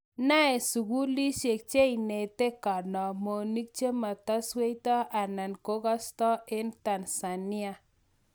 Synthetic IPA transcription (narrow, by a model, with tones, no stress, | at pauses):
na˦e˨su˨ku˦li˦ʃe˨k̚t͡ʃe˦i˨ne˨t̪e˦ka˨ɾnɔ˨mo˨ni˦k̚t͡ʃe˦ma˨ta˦swe˦jt̪ɔ˦ʔa˨na˨nko˦ka˦st̪ɔ˦ɪ˦nt̪a˨nsa˨ni˦a˦